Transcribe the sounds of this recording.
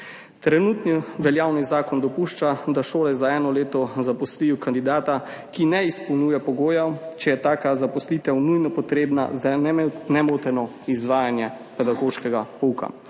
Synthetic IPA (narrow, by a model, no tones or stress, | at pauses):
t̪ɾɛnut̪niʋɛljaːwnizaːkɔnd̪ɔpuːʃt͡ʃad̪aʃoːlɛzaɛːnɔleːt̪ɔzapɔsliukand̪id̪aːt̪a | kinɛispɔwnuːjɛpɔɡoːjat͡ʃɛjɛt̪aːkazapɔslit̪ɛwnujnɔpɔt̪ɾeːbna̰zannɛmot̪ɛnɔ | izʋaːjanjɛ | pɛd̪aɡoːʃkɛɡapuka̰